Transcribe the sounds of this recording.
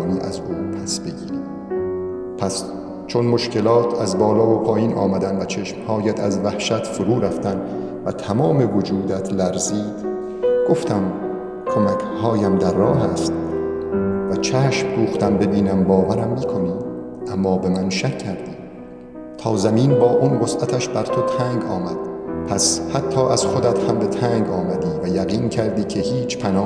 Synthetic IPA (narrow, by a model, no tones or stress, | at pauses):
niːʔæ̰zuːpʰæsbe̞ɡiːɾiː | pʰæs | t͡ʃʰo̞nmo̞ʃke̞lɒːt̪ʰæzbɒːlɒːopʰɒːjiːnʔɒ̰ːmæd̪ænvæt͡ʃʰeʃmhɒːjæt̪ʰæzvæhʃæt̪foɾuːɾæft̪ænd | væt̪ʰæmɒːme̞vod͡ʒuːd̪æt̪ʰlæɾziːd̪ | ɡ̥oft̪ʰæm | kʰo̞mækʰhɒːjæmd̪æɾːɒːɦæst̪ | væt͡ʃʰæːʃmɾuːxt̪æmbe̞biːnæmbɒːvæɾæmːiːkʰo̞niː | ʔæmːɒːbe̞mænʃækʰːæɾd̪iː | t̪ʰɒːzæmiːnbɒːʔuːnɢosʔæt̪ʰæʃbæɾt̪ʰo̞t̪ʰæːŋɡɒːmæd̪̥̚pʰæshæt̪ʰːɒːʔæz̥χod̪æt̪hæmbe̞t̪ʰæŋɡɒːmæd̪iːvæjæɣiːncʰæɾd̪iːkʰe̞hiːt͡ʃʰpʰænɒː